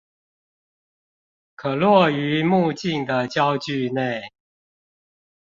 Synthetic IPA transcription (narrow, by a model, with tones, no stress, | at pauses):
kʰɤ˨˩lwɔ˥˩y˧˥˦mu˥˧t͡ɕi˥˩ŋd̪ə˨˩t͡ɕjɑ˥ʊt͡ɕy˥˧ne˥˩ɪ